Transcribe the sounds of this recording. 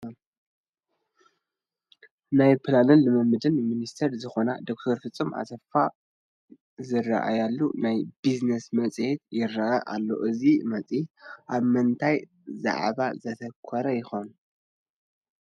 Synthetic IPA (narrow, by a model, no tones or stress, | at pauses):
najpʰlanɨnlɨmɨmɨd̪ɨnminist̪ʰɐɾzɨxo̞nad̪o̞k̚t̪ʰɐɾfɨt͡sʼːɨmʔa̰t̪ʰɐfa | zɨra̰ʔa̰jalːunajbiznesmɐt͡sʼhet̪̚jɪɾːaʔaʔa̰lːo̰ʔɨzimɐt͡sʼiʔaβmɨnt̪ʰaj | za̰ʕβazɐt̪ʰɐkʰːɐɾɐjɪxon